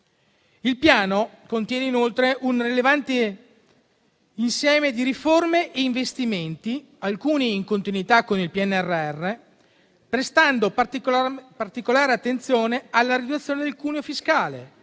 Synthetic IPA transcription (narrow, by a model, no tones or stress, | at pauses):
ilpjaːno | kont̪jɛːneinolt̪ɾeʔunrilevant̪e | insjɛːmed̪iɾiformeʔeiɱvest̪iment̪i | alkuːniːŋkont̪inuit̪akːonilpiɛnːɛrːeɛrːe | pɾest̪and̪o | part̪ikolaːɾeat̪ːent̪sjoːnealːaɾid̪ut̪sːjoːned̪elkuːneofiskaːlḛ